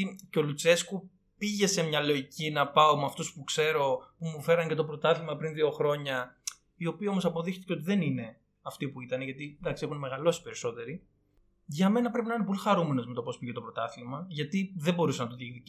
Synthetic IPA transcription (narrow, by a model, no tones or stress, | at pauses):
ceo̞lut͡se̞sku | piʝe̞se̞mɲɐlo̞icʰinɐpɐomeɐft̪uspukse̞ɾo̞pumufe̞ɾɐɲce̞t̪o̞pɾo̞t̪ɐθiɣmɐpɾinðio̞xɾo̞ɲɐ | io̞piio̞mo̞sɐpo̞ðixt̪i̥ceo̞t̪iðe̞nine̞ | ɐft̪ipuit̪ɐneʝɐt̪id̪ɐksiexunme̞ɣɐlo̞si̥pe̞ɾiso̞t̪e̞ɾi | ʝɐme̞nɐpɾe̞p̬inɐinepo̞lixɐɾume̞no̞zme̞t̪o̞po̞spiʝe̞t̪o̞pɾo̞t̪ɐθiɣmɐʝɐt̪iðebo̞ɾusenɐt̪oðikði